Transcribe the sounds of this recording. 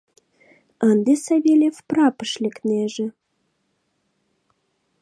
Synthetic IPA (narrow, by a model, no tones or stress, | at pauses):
ənd̪esɑβelʲefprɑpə̥ʃlʲekneʒĕ